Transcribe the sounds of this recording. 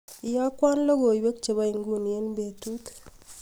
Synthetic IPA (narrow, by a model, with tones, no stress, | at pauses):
i˨ja˦kwa˦nlo˦ɡo˨i˨be˦k̚t͡ʃe˨βa˦i˨ŋɡu˨n˨je˦nbe˨tu˦t̪